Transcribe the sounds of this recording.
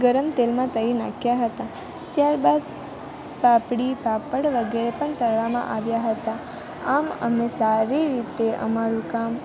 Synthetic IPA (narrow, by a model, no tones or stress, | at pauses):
ɡəɾəmt̪elmãt̪əina̰kʰjaɦət̪a | t̪jaɾbad̪ | papɽipapəɽʋəɡeɾepəɳt̪əɾʋamã̰ʔaʋjaɦət̪a | amə̰mesaɾiɾit̪eʔə̰maɾũkam